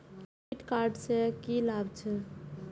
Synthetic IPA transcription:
iʈkaɾɖsekilabt͡ʃʰə

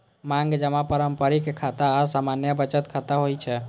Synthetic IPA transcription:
mãŋɡd͡ʒəmãpəɾəmpəɾikekʰat̪asamanjəbət͡ʃət̪kʰat̪aɦojt͡ʃʰɛ

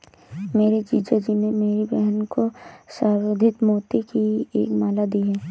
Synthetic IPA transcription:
meːɾed͡ʒiːd͡ʒad͡ʒinemeːɾibɛɦnkosaːod̪ʱɪt̪moːt̪ekiḛːkmaːlad̪iɦɛː

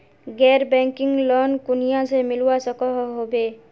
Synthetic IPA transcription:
ɡɛɾbɛ̃ŋkɪŋɡlɔnkʊnijãsemɪlwasəkɔɦɦobe

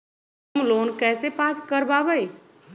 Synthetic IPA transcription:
mloːnkɛːsepaːskəɾbaːbəe

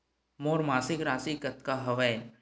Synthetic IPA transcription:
moːɾmaːsɪkɾaːsikət̪kaɦɐʋɛj

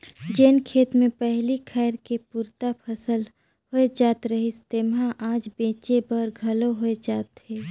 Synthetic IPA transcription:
d͡ʒeːnkʰeːt̪mẽpɛɦlikʰɛːɾkepuːɾt̪apʰəsəl | hoed͡ʒaːt̪ɾəɦist̪emɦãʔaːd͡ʒbẽːt͡ʃebəɾɡʱɐloɦoed͡ʒaːt̪ɦeː

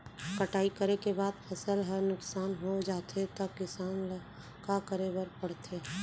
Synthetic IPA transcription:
kɐʈaːikəɾekebaːd̪pʰɐsəlɦɐɾnʊksaːnɦod͡ʒaːt̪ʰet̪ɐkɪsaːnl | kakəɾebəɾpɐɽ̤t̪ʰeː

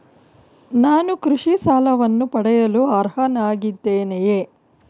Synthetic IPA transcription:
naːnukɾuʂisaːlɐʋɐnːupɐɽɛjɐluɐɾɦɐnaːɡid̪ːeːnejeː

